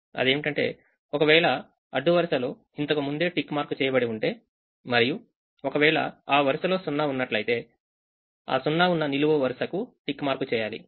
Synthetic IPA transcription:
ɐ̰d̪e̞ːmiʈɐɳʈe̞̰ː | ɔkɐʋɛːɭɐ | ɐɖːuʋɐɾsɐlo̞ː | int̪ɐkɐmund̪e̞ːʈikːmaːɾkːut͡ʃɛːjɐbɐɽiuɳʈe̞ː | mɐɾiju | ɔkɐʋɛːɭɐ̰aːʋɐɾusɐlo̞ːsunːɐunːɐʈlɐjt̪e̞ː | a̰ːsunːɐunːɐniluʋɐʋɐɾsɐkuʈikːmaːɾkut͡ʃɛːjaːlḭ

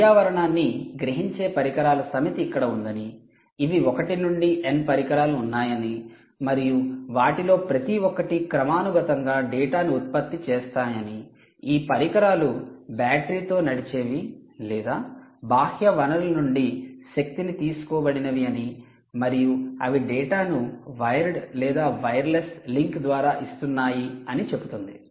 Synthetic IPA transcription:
aːʋɐɾɐɳaːnːiɡɾɐɦiɲt͡ʃe̞ːpɐɾikɐɾaːlɐsɐmɐt̪iːkːɐɽɐund̪ɐniː | ʋiɔkɐʈinuɳɖiʔenpɐɾikɐɾaːluːnːaːjɐni | mɐɾijuʋaːʈilo̞ːpɾɐt̪iɔkɐʈikɾɐmaːnuɡɐt̪ɐŋɡaːɖɛːʈaːniut̪̚pɐt̪ːit͡ʃeːst̪aːjɐni | iːpɐɾikɐɾaːlubjaːʈɾiːt̪o̞ːnɐɽit͡ʃe̞ːʋilɛːd̪aːbʱaːhjɐʋɐnɐlɐnuɳɖiʃɐk̚t̪init̪iːsu̥kɔːbɐɽinɐʋiɐni | mɐɾijuɐ̰ʋiɖɛːʈaːnuʋɐjɾlɛːd̪aːʋɐjɐɾlesliŋkd̪ʋaːɾaːʔist̪unːaːjiɐnit͡ʃe̞but̪und̪i

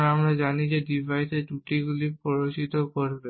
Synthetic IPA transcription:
amɾad͡ʑanid͡ʑeɖibʱajseʈuʈiɡulipɔɾot͡ɕit̪okoɾbe

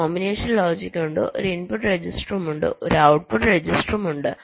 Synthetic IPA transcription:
oːmbineːʂɐnloːd͡ʑikʲːuɳɖo̰ɾinpuʈːred͡ʑisʈɐrɐmuɳɖɨ̰oɾuɐwʈ̚puʈːred͡ʑisʈrɐmuɳɖɨ

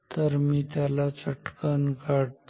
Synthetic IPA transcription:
t̪əɾmiːt̪jalat͡səʈkankaɽt̪

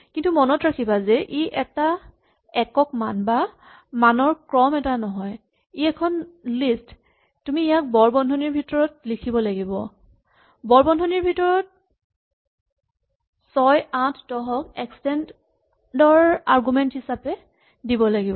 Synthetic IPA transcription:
kintumɔnɔtɹakʰibazɛʔiʔɛta | ɛkɔkmanba | manɔɹkɹɔmɛtanɔɦɔj | iɛkʰɔnlist | tumiːjak̚bɔɹbɔndʱɔniɹbʱitɔɹɔtlikʰibɔlaɡibɔ | bɔɹbɔndʱɔniɹbʱitɔɹɔt̚ | sɔjãtʰdɔɦɔkɛkstɛnt | dɔɹaɹɡumɛnthisapɛ | dibɔlaɡibɔ

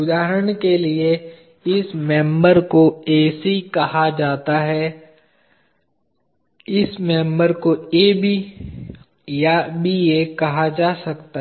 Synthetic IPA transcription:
ʊd̪aːɦəɾəɽ̃kelie | ɪsmɛ̃ːmbəɾkoeːsikɐhad͡ʒaːt̪aɦɛ | ɪsmɛ̃ːmbəɾkojebʱi | jabʱijekɐɦad͡ʒaːsɐkt̪a

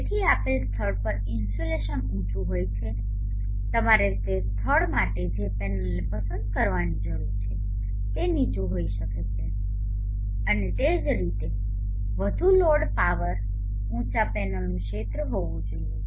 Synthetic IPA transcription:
eʈʰiapelst̪ʰəɽpəɾɪnsʈoleʃənũt͡ʃʰũɦojt͡ʃʰe | t̪əmaɾet̪est̪ʰəɽmaʈed͡ʒepɛnəlnepəsənd̪kəɾʋanid͡ʒəɾuɾt͡ʃʰe | t̪enit͡ʃũɦoiʃəket͡ʃʰe | ənet̪ed͡ʒɾit̪e | ʋəd̪ʱuloɽpaʋəɾ | ũt͡ʃapɛnəlnũket̪ɾəɦoʋũd͡ʒoiju

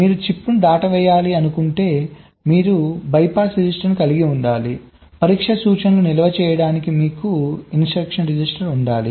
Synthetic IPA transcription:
miːɾut͡ʃipːund̪aːʈɐʋɛːjaːliɐnukuɳʈe̞ː | miːɾubɐjpaːsɾid͡ʒisʈɐɾnikɐliɡiuɳɖaːli | pɐɾiːkʂɐsuːt͡ʃɐnlunilɐʋɐt͡ʃɛːjɐɽaːnikimiːkuinsʈɐkʂɐnɾid͡ʒisʈɐɾuɳɖaːlḭ

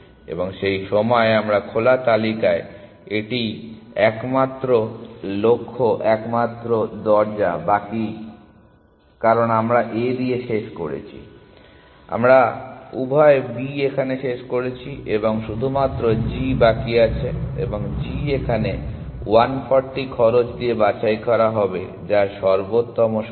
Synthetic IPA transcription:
ḛboŋʃejʃɔmɔeamɾakʰolat̪alikae | eʈi | ɛkmat̪ːɾolokʰːoʔɛkmat̪ːɾod̪ɔɾd͡ʑa̰baki | kaɾonamɾaʔed̪ieʃeʃkoɾḛt͡ɕʰḭ | a̰mɾaubʱaebiekʰaneʃeʃkoɾet͡ɕʰiʔeboŋʃud̪ʱumat̪ːɾod͡ʑibakiat͡ɕʰeḛboŋd͡ʑiekʰanewanpʰɔɾʈikʰɔɾot͡ɕd̪iebat͡ɕajkɔɾaɦɔbḛ | d͡ʑaʃɔɾbot̪ːɔmoʃ

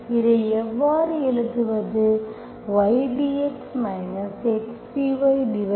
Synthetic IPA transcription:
ɪɾɐjɛʋːaːɾɯɛɭɯt̪ːɯʋɐðɯ | ʋɐɪɖiɛksmɐɪnɐseʈpiʋɐɪɖɪʋɐ

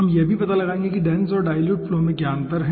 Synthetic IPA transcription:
ɦɐmjebʱipɐt̪alɐɡaːẽːŋɡekiɖɛ̃ːnsɔːɾɖaːɪljuːʈflomẽɡjaːnt̪əɾɦɛ̃

